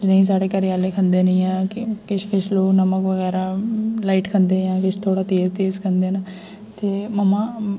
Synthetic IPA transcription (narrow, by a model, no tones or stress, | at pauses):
d͡ʒnəĩːs̬aːɽeːkəɾɪjaːleːkʰənd̪eːnɪ̃ːãːkɪkɪt͡ʃʰkɪt͡ʃʰloːknəməkʋəɣɛːɾaːlaːiːʈkʰənd̪eːãːkɪt͡ʃʰt̪ʰoːɽaːt̪eːzt̪eːzkʰənd̪eːna | t̪eːməmaː